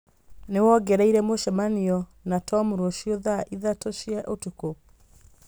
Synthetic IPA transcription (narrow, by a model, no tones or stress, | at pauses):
newɔɡɛɾaiɾɛmoʃɛmaniɔnatʰɔmuɾoʃioðaʔiðatoʃiɛʔotuko